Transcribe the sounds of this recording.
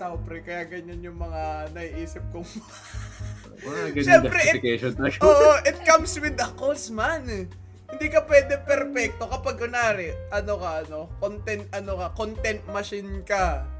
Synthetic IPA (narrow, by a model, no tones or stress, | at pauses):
sapɾɛkɐjaɡɐɲanjʊŋmɐŋanɐʔiʔiːsɪp̚kʊŋmɐŋa | ɐɡɐʃɛmpɾɛɪkɛʃonɐʔoːʔoʔɪt̪̚kɐmswɪd̪ɐkosman | hɪnd̪iːkɐpwɛːd̪ɛpɛɾpɛk̚t̪o̞kɐpaɡʊnaːɾɛʔɐnokɐʔɐno̞kont̪ɛnt̪̚ʔɐnokɐkont̪ɛnt̪̚mɐʃɪnkɐ